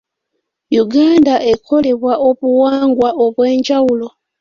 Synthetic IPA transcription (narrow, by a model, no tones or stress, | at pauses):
juɡandaʔekʰo̞le̞βwaʔoβuwaːŋɡwaʔoβwe̞ːɲd͡ʒawulo̞